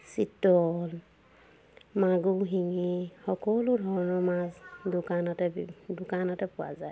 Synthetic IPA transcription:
sitɔl | maɡuɦiŋihɔkɔlodʱɔɹɔnɔmazdukanɔtɛdukanɔtɛpuwa̰zaj

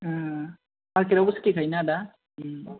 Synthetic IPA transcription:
aɾkiɾabuskikʰajnad̪a

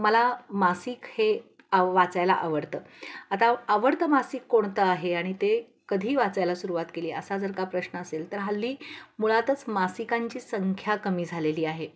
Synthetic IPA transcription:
məlamasiːkhe | ʋat͡sajla̰ʔəʋəɾt̪əat̪aəʋəɾt̪əmasikːoɳ̃t̪əaɦeaɽ̃it̪e | kəd̪ʱiːʋat͡sajlasuɾuʋat̪keliːəsad͡zəɾkapɾəɕnəəselt̪əɾɦalːiːmuɭat̪ət͡smasikaɲt͡ɕiːsəŋkʰjakəmiːd͡zʱaleliːaɦe

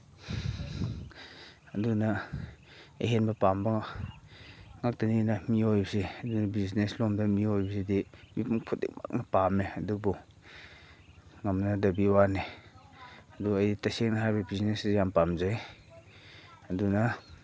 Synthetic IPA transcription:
ɐduna | ḛɦenbɐpamba | ŋak̚taninamiojbseɐdunabizneslɔmdɐmiojbɐsedimipuŋpʰut̚dḛk̚ma̰k̚napameɐdubɔ | ŋamnadɐbiwane | ɐduajditasek̚naɦajbabiznesɾijampamzaj | ɐduna

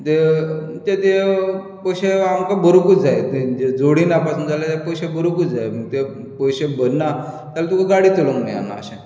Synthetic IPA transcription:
t̪et̪et̪e | pəjɕeamkabəɾukud͡zajet̪ed͡ʑed͡zoɽinapasuːnd͡zalat̪japəjɕebəɾukud͡zajməɡ̚t̪e | pəjɕebənːa | t̪alat̪ukaɡaɽit̪uləŋɡna̰ja̰nːa̰ə̰ɕẽ

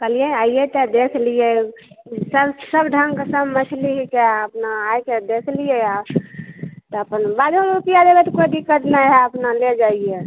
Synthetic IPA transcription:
kəlijeaijet̪əd̪ekʰlije | səbsəbɖʱəŋɡkesəbmət͡ʃʰliɦikeəpnaːjked̪ekʰlijea | t̪ɔəpənbad̪ʱunɾupijad̪ebɛt̪kojd̪ikːət̪naɦɛəpnaled͡ʒaije

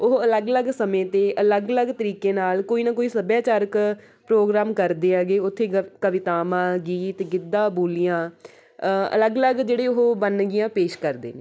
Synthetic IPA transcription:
ʊɦələɡləɡsəmẽːt̪eːʔələɡələɡt̪əɾiːkeːnaːlkoːiːnaːkoːiːsəbjaːt͡ʃaːɾək | pɾoːɡɾaːmkəɾd̪eːaːɡeːʊt̪ʰːeːkəʋɪt̪aːmãːɡiːt̪ɡɪd̪ːãːboːlijãː | ə̰ləɡləɡd͡ʒeːɽeːʊɦobənɡɪjãːpeːʃkəɾd̪ḛːneː

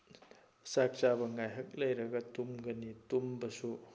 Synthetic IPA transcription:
sak̚t͡ʃabɐŋajɦɐk̚lɐjɾɐɡɐtumɡɐnitumbɐsu

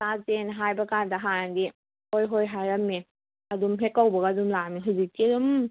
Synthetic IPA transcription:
sazenɦajbɐkandɐɦanadi | hojɦojɦaɾɐmni | ɐdumɦekːawbɐɡaːdumlamiɦuzik̚tiɾum

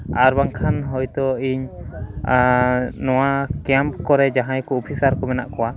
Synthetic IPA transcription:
aɾbaŋkʰanɦɔjt̪ɔiɲ | nɔwakɛmpkɔɾɛd͡ʒaɦãjkɔɔpʰisaɾkɔmɛnaʔkɔwa

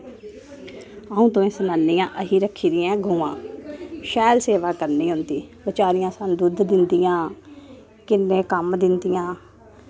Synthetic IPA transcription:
əũːt̪õːẽːsənaːnːiːjãːʔəɦiːɾəkʰːiːɾɪːãːɡʱʊːãːʃɛːlseːʋaːkəɾniːɦʊnd̪iːbɪt͡ʃaːɾijãːsənd̪ud̪d̪ɪnd̪ijãː | kɪnːẽːkəmd̪ɪnd̪ɪjãː

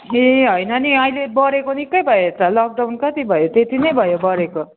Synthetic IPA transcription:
eɦʌjnʌniʌilebʌɾekonikːʌjbʱʌjot̪ʌlʌk̚ɖawnkʌt̪ibʱʌjot̪et̪inʌjbʱʌjobʌɾeko

